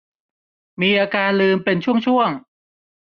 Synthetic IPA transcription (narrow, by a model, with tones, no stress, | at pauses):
miː˧ʔaː˧kaː˧nlɯː˧mpe˧nt͡ɕʰu˥˩əŋt͡ɕʰu˥˩əŋ